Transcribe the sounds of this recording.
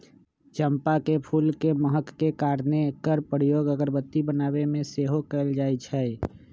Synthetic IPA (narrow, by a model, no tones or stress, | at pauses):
t͡ʃəmpakepʰulkeməɦəkːekaɾnekəɾpəɾijoːɡəɡəɾbət̪ːibənaːβemẽseɦokɛɪld͡ʒajt͡ʃʰɛ